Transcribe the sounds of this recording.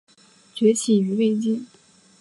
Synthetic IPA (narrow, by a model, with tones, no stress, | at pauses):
t͡ɕɥɛ˧˥t͡ɕʰi˨˩y˧˥we˥˧ɪt͡ɕi˥˩n